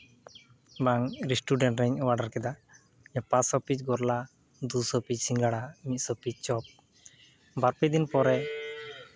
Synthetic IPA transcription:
baŋɾisʈuɖɛɳʈɾɛɲwaɖaɾkɛd̪a | japasɔpit͡ʃɡɔɾla | d̪usɔpit͡ʃsiŋɡaɽamit̪̚ˀsɔpit͡ʃ̚t͡ʃɔp̚ | baɾpɛd̪inpɔɾɛ

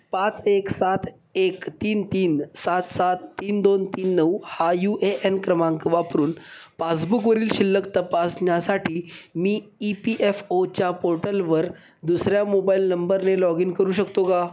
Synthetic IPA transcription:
pãt͡seksat̪ʰ | ekt̪iːnt̪iːnsat̪sat̪ːiːnd̪ont̪iːnːəwhajuʔeʔenkɾəmãŋkʋapɾuːnpasbukʋəɾiːlɕilːəkt̪əpasnjasaʈʰiːmiːipiʔefot͡ɕjapoɾʈəlʋəɾ | d̪usɾjamobailnəmbəɾnelɔɡiːnkəɾuːɕəkt̪oka

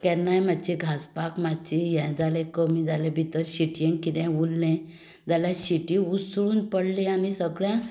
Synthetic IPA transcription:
kɛɾnajmad̪t͡ɕiɡʱaspakmad̚t͡ɕijɛ̃d͡zalekəmĩd͡zalẽbʱit̪əɾɕiʈjɛ̃ŋɡkit̪ɛ̃ulːɛ̃ | d͡zalaɕiʈĩusɾuːnpəɽlianisəɡɭjã

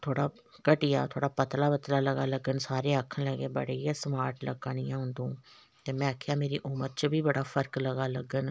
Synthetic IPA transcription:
t̪ʰoːɽaː | kəʈɪja̰ːt̪ʰoːɽaːpət̪laːbət̪laːləɡaːləɡənsaːɾeːəkʰːənləɡeːbə̰ɽejãːsmaːɾʈləɡɽ̃ijãːɦʊ̃nd̪õː | t̪eːmɛ̃ːakʰejaːmeːɾḭːʔʊməɾt͡ʃəbʱiːbəɽaːpʰəɾkləɡaːləɡən

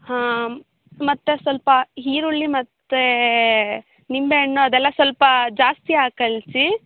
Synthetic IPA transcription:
hãː | mɐt̪ːesʋɐlpɐɦiːɾuɭːimɐt̪ːe | nimbeɳːuɐd̪ɛlːɐsʋɐlpɐd͡ʒaːst̪iaːkɐlt͡ʃi

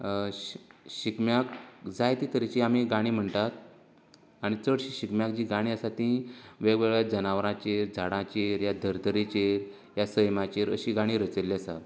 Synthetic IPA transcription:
ɕikmjakd͡zajt̪it̪əɾit͡ɕiamiɡaɽ̃iːm̤əɳt̪at̪̚ | aɽ̃it͡səɽɕiɕikmjakd͡ʑiːɡaɽ̃ĩəsat̪ĩʋeɡʋeɡɭjad͡zənaʋɾãt͡ɕeɾd͡zʱaɽãt͡ɕeɾjad̪ʱəɾd̪ʱəɾit͡ɕeɾ | jasəjmat͡ɕeɾəɕiːɡaɽ̃iːɾət͡səlːiəsa̰

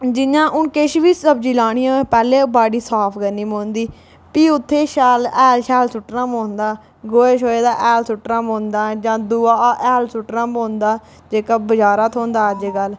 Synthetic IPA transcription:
d͡ʒɪnãːʔʊnkeʃʋiːsəbd͡ʒiːlaːɽ̃ɪjãːpɛːleːbaːɖiːsaːpʰɡənːiːmõːnd̪iː | piːʊt̪ʰːeːʃaːlɛːlʃɛːlsʊʈɾãːmõːnd̪aː | ɡoːeːʃoːeːd̪aːʔɛːlsʊʈɾãːmõːnd̪aːd͡ʒãːd̪uːaːʔɛːlsʊʈɾãːmõːnd̪aː | d͡ʒeːkaːbəd͡ʒaːɾaːt̪ʰõːnd̪aːəd͡ʒɡəl

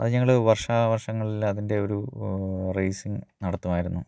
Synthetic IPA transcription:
ɐ̰ðɨɲɐŋːɐɭʋɐrʂaːʋɐrʂɐŋːɐɭilɐðinde̞o̞ɾu | rejsiŋnɐɽɐt̪ːumaːjiɾunːu

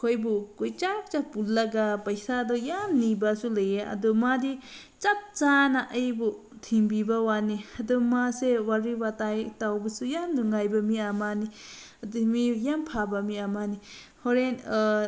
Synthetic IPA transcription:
kʰojbukojt͡ʃak̚t͡ʃapulːaɡapɐjsadɔjamnibasulɯjeɐ̰dɔmadi | t͡ʃap̚t͡ʃanaʔəjbu | tʰiŋbibawaniadɔmasewaɾiwatajtawbasujanduŋajbamiamani | adumijampʰabamiamani | hɔɾen

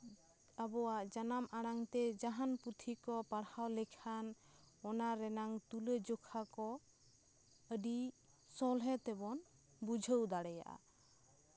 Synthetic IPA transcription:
abɔwaʔd͡ʒanamʔaɽaŋt̪ɛd͡ʒaɦanput̪ʰikɔpaɽhawlɛkʰan | ɔnaɾɛnaŋt̪uled͡ʒokʰakɔ | əɖi | sɔlɦɛt̪ɛbɔn | bud͡ʒʱəwd̪aɽɛja̰ʔa̰

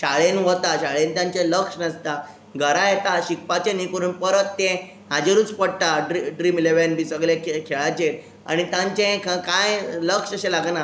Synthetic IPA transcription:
ɕaɭenɦot̪aɕaɭent̪jãɲt͡ɕeləkʂnəst̪a | ɡʱəɾajet̪aɕik̚pat͡ɕenikɾuːnpəɾət̪ːẽ | ɦad͡ʑeɾuːt͡spəɽʈ̪aɖɾiɖɾiːmleʋenbʱiːsəɡɭẽkekʰeɭat͡ɕet̪̚ | a̰ɽ̃it̪jãɲt͡ɕẽkakajləkʂəɕelaɡna

